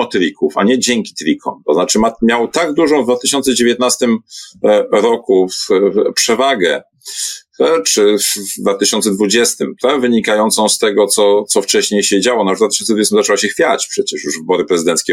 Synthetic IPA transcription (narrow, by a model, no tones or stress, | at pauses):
ɔt̪ɾʲikufa̰ɲɛd͡ʑɛŋkʲi̥t̪ɾʲikʰɔ̰̃mt̪ɔznat͡ʂɘmamʲjawt̪aɡd̪uʐɔ̃w̃vd̪vat̪ɘɕɔnt̪sɛd͡ʑevʲjɛt̪̚nast̪ɘm | ɾɔkufpʂɛvaɡɛ | t͡ʂɘvd̪vat̪ɘɕɔnt̪sɛd̪vud͡ʑɛst̪ɘmt̪avɘɲikajɔnt̪sɔ̃w̃st̪ɛɡɔt̪sɔt̪sɔft͡ʂɛɕɲejɕɛd͡ʑawɔnɔwad̪vat̪ɘ̥ɕɔnsd̪vud͡ʑɛst̪mzat͡ʂɛwaɕɛxfʲjat͡ɕpʂɛt͡ɕɛʂjuʐvbɔɾɘpɾɛzɨd̪ɛnt̪skʲɛ